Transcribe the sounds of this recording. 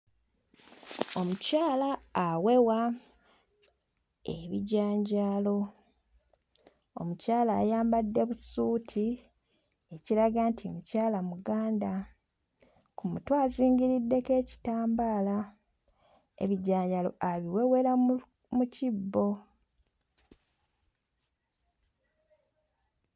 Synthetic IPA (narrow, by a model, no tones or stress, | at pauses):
o̞mucaːlaːwe̞wa | eβḭɟaːɲɟalo̞ | o̰mucaːlaːjaːmbadːe̞βusuːtʰi | e̞ciɾaɡantʰimucaːlamuɡaːnda | kumutwaːziːɲɡiɾidːe̞ke̞ːci̥taːmbaːla | e̞̰βiɟaːɲɟalo̞̰ʔaβiwe̞wela | mucibːo̞